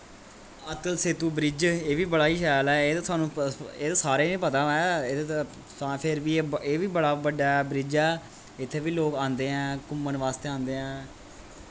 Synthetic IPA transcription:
ət̪əlseːt̪uːbɾɪd͡ʒeːʋiːbəɽaːiːʃɛːlɛːeːt̪ːt̪ʰʊaːnũːeːt̪aːsaːɾeːnẽːpət̪ãːɛːe | apʰɪɾʋiːeːʋiːbəɽaːbəɖaːɛːbɾɪd͡ʒɛː | ɪt̪ʰːeːʋiːloːkãːnd̪eːɛ̃ːkʊmːənʋaːst̪eːãːnd̪eːɦɛ̃ː

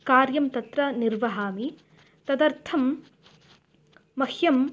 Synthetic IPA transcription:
kaːɾjɐmt̪ɐt̪ɾɐniɾʋɐɦaːmi | t̪ɐd̪ɐɾt̪ʰɐm | ɐhjɐm

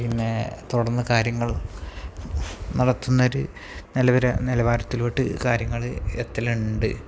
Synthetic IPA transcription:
pinːet̪uɽɐrnːɨkaːɾjɐŋːɐɭ | nɐɽɐt̪ːunːɐoɾu | nilɐʋɐɾɐnilɐʋaːɾɐt̪ːilʋiʈːɨ̰kaːɾjɐŋːɐɭet̪ːɐluɳɖɨ

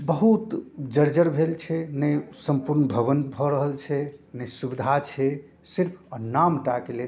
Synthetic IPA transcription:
bəɦut̪d͡ʒəɾd͡ʒəɾbʱelt͡ʃʰɛnəjsəmpuɾnbʱəβənbʱɔɾəɦəlt͡ʃʰɛnəjsubid̪ʱat͡ʃʰɛ | siɾpʰənamʈakele

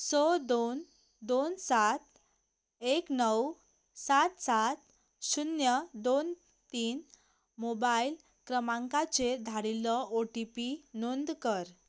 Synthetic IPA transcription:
sɔd̪on | d̪onsat̪ | eknəw | sat̪sat̪̚ | sunjəd̪on | t̪iːn | mobail | kɾəmãŋkat͡sed̪ʱaɽilɔoʈipinond̪kəɾ

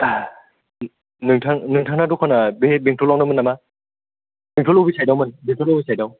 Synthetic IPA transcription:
nɯŋtʰaŋnɯŋtʰaŋnadɔkʰanabebeŋtʰɔlːaŋnamɯnama | b̥eŋtʰɔlɔwbisʰajdawmɯnbeŋtʰɔlɔwbisajdaw

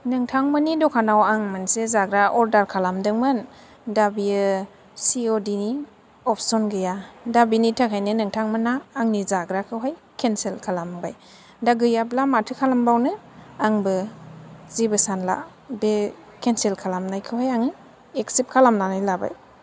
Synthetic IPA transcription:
nɯŋtʰaŋmɯnidɔkʰanawaŋmansezaɡɾaʔɔɾdaɾkʰalamdɯŋmɯn | dabi | siodini | ɔpʰsɔnɡɯjadabinitʰakʰajnɯnɯŋtʰaŋmɯnaːŋnizaɡɾakʰɯwɦaj | kʰenselkʰalambaj | daɡɯjablamatʰɯkʰalambawnɯ | aŋbɯ | zibɯsanla̰ | be | kʰenselkʰalamnajkʰɯwhajaŋi | eksip̚kʰalamnanajlaba̰j

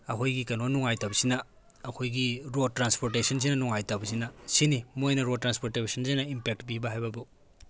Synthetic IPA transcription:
ɐkʰojɡikɐnonuŋajtabɐsinɐ | ɐkʰojɡiɾotɾanspoɾtesɐns̬inɐnuŋajtawbɐsinɐsinimojnɐɾod̚tɾanspoɾtebsʰɐnsinɐimpek̚tbibɐɦajbɐbu

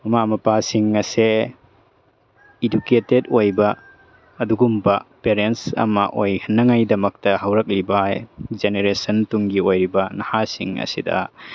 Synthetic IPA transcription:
ɐmamɐpasiŋɐse | iduketedojbɐː | duɡumbɐpeɾensɐ̰mɐ̰ʔojhɐnːɐŋajdɐmɐk̚tɐɦɐwɾɐk̚libaajzeneɾesɐntuŋɡiojɾibɐnɐhasḭŋɐ̰sidɐ̰

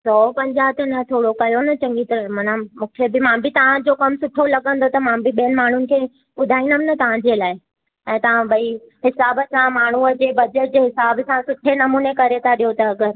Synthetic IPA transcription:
sɔːpɐ̃ɲd͡ʑaːɦt̪ənɐt̪ʰoːɽokɐjonɐt͡ɕɐ̃ŋɡit̪ɐmɐnamũːkʰebɪmãbʱɪt̪ɐʋ̤ãd͡ʑoːkɐmsʊʈʰolɐɡə̃nd̪ot̪ɐmãbʱɪɓijənɪ̆maːɳ̤ʊnɪ̆kʰeː | ɓʊd̪ʱaːĩndəmɪnɐt̪ɐʋ̤ãɲd͡ʑelaːɪ | ɛ̃ːt̪ɐʋ̤ãbɐi | ɦɪsaːbəsãmaːɳ̤uɐd͡ʑeːbɐd͡ʑəʈ̚d͡ʑeɦɪsaːbsãsʊʈʰenɐmuːnekɐɾet̪ʰaɗijot̪ɐɐɡəɾ

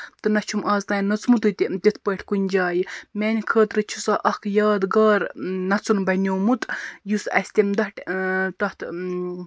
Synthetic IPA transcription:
t̪ɨnɐt͡ʃʰumʔaːznɐːjnɐt͡smut̪ut̪ʲit̪it̪ʰpəːʈʰʲkunʲd͡ʒaːjimeːnʲikʰəːt̪ɾɨt͡ʃʰu̥saʔɐkʰjaːd̪ɡaːɾnɐt͡sunbɐnʲoːmut̪jusɐ̰sʲt̪ʲimd̪ɐʈʲt̪ɐt̪ʰ

